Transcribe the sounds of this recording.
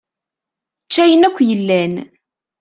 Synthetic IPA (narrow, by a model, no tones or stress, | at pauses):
t͡ʃːæjənækʷːjəlːæn